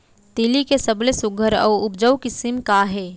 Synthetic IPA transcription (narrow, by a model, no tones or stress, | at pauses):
t̪iːlikesɐblesʊɡʱəɾɐ̰ːʊpd͡ʒəwkɪsɪmkaɦɛː